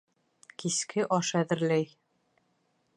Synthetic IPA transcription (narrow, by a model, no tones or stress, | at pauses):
kiskʰɘʔɒʃæðɘ̆ɾlæj